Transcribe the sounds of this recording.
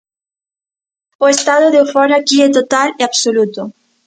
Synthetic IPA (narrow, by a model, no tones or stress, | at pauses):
oest̪aðoðeufoɾakiet̪ot̪aleaβsolut̪o